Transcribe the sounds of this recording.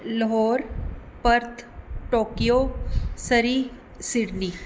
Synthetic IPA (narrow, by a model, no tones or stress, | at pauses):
ləɦoːɾpɐɾt̪ʰʈoːkijoːsəɾiː | sɪɽniː